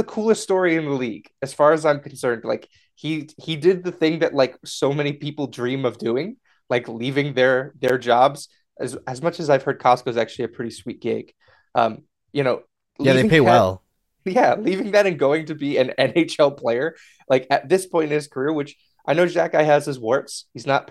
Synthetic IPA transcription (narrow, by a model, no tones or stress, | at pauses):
ðɨkʰulˠəststɔɹiɨ̃nðəliɡ̥ɨz̥fɑɹɨzãɪ̃mkʰn̩sɜ̃˞nd̥la̰ɪk | hihidɪd̪̚ðɨθɪ̃ŋðɨʔ̚ˡlaɪksoʊmɛñipipl̩ˠdɹĩmʌvdʉɪ̃ŋ | laɪklivɪ̃ŋðə˞ðə˞d͡ʒɑbz̥ | ʔɨ̰zɨzmʌt͡ʃɨzaɪv̥hɜ˞d̚kʰɑskoʊzæk̚t͡ʃʉl̩ˠiɨpʰɹ̥ɪɾiswit̚ɡ̥eɪɡ̥ | ʔʌ̰̃m | jɨñoʊ | læðeɪɪ̃pʰeɪwɛ̰lˠ | jælivɪ̃ŋðɨɾɨ̃nɡoʊɪ̃ŋtʰɨbiɨ̃nɛ̃neɪt͡ʃɛlˠpʰl̥eɪə˞ | laɪkɨt̪̚ðɪspʰɔ̃ɪ̃nɨ̃nɨz̥kʰə˞ɪɹwɨt͡ʃ | ʔaɪnoʊd͡ʒækaɪɨz̥ɨzwɔɹpshiznət̚